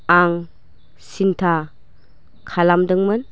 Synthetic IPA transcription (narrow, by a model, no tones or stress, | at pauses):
aŋ | sintʰa | kʰalamdɯŋmɯn